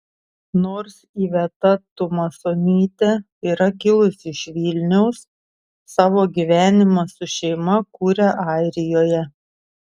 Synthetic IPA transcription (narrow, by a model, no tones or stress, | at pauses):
noːɾsiːʋʲɛt̪ɐt̪ʊmɐsoːnʲiːt̪ʲɛ | iːɾɐkʲɪlˠʊsɪʃʋʲilʲnʲɛʊsː | ɑːʋoːɡʲiːʋʲæːnʲɪmɐsʊʃʲɛɪmɐkuːɾʲɛʔɑˑɪɾʲɪjoːjɛ